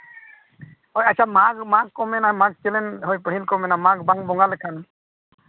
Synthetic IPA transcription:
ojasʰamakmakkːɔmɛnamak̚t͡ʃelɛnɦojpəɦilkɔmɛnamak̚baŋbɔŋɡaləkʰan

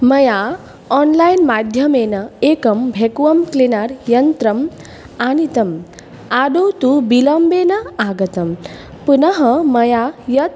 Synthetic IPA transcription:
mɐja | ɔːnlajnmad̪ʱjɐmeːnɐeːkɐmbʱekuʋɐmklinaːɾjɐnt̪ɾɐm | aːnit̪ɐm | aːd̪owt̪ubilɐmbeːnɐaːɡɐt̪ɐm | punɐɦɐmɐjajɐt̪̚

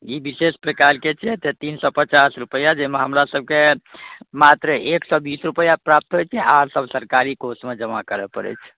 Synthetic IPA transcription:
ibisespɾekalket͡ʃʰɛt̪et̪insɔpət͡ʃasɾupəjad͡ʒemeɦəmɾasəb̚ke | mat̪ɾəeksɔbisɾupəjapɾap̚t̪ɦot͡ʃʰɛaɾsəbsəɾkaɾikosmed͡ʒəmakəɾɛpəɾɛ̰t͡ʃʰ

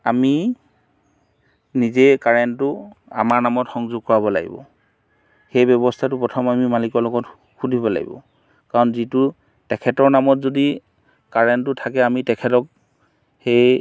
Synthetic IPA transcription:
ami | nizekaɹɛntʊa̰maɹnamɔtxɔŋzʊɡ̚kɔɹabɔla̰ɡḭbɔ̰ | xejbjɔbɔstʰatʊpɹɔtʰɔmamimalikɔɹlɔɡɔt | xudʱibɔla̰ɡḭbɔ̰ | kaɹɔnzitʊ | tɛkʰɛtɔɹnamɔtzodi | kaɹɛntʊtʰakɛamitɛkʰɛtɔk̚ | xej

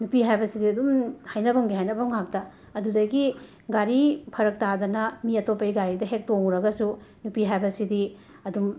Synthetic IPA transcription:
nupiɦajbɐsidiɐdumhajnɐbɐŋɡiɦajnɐbɐŋɦak̚tɐ | ɐdudɐɡi | ɡaɾipʰɐɾɐk̚tadɐnɐmiɐtopːɐjɡaɾidɐɦek̚toŋuɾɐɡɐsunupiɦajbɐsidi | ɐdum

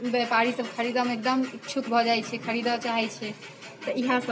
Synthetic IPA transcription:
ibepaɾisəbkʰəɾid̪ɔmek̚d̪əmikt͡ʃʰukbʱɔd͡ʒajt͡ʃʰɛkʰəɾid̪ɔt͡ʃaɦɛt͡ʃʰɛ | t̪ɔiɦãsə

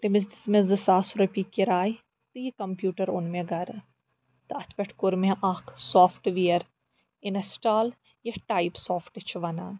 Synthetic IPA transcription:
t̪imɪs̬d̪ismezd̪ɨsaːsuɾɐpiːkːiɾaːj | t̪ɨjikɐmpjuːʈɐɾʊnmeɡɐɾ | t̪ɨɐt̪ʰpʲeʈʰkʊɾmeʔaːkʰsoːfʰʈʋiɐɾ | ɪnɐsʈaːl | jɐʈaːjpsoːfʰʈɨt͡ʃʰʋɐnaː

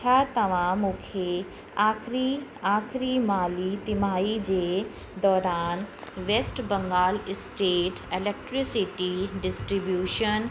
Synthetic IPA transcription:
at̪ɐʋ̤ãmũkʰe | aːkʰɾiaːkʰɾimaːlit̪imaːid͡ʑeː | d̪ɔːɾaːnʋeːsʈbɐ̃ŋɡaːlɪsʈeːʈelek̚ʈɾisiʈiɖɪsʈɾibjuːʃən

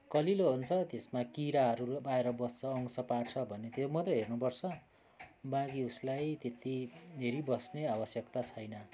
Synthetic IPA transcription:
kʌliloɦont͡sʰʌt̪esmakiɾaɦʌɾubaeɾʌbʌst͡sʰʌːŋsʌpaɽt͡sʰʌbʱʌnːet̪emʌt̪rʌɦernupʌrt͡sʰʌ | bãɡiuslajt̪et̪id̪ʱeɾibʌsneabʌsjʌkt̪at͡sʰʌjnʌ

